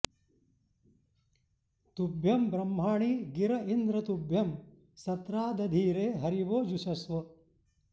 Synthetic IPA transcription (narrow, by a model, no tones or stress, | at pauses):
t̪ubʱjɐmbɾɐm̤ːaːɳiːɡiɾɐʔind̪ɾɐt̪ubʱjɐm | sɐt̪ɾaːd̪ɐd̪ʱiːɾeːɦɐɾiʋoːd͡ʒuʃɐsʋɐ